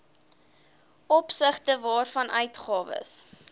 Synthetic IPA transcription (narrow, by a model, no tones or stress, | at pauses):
ɔpsəχtəvɑːrfɐnʔœɥtχɑːvə̰s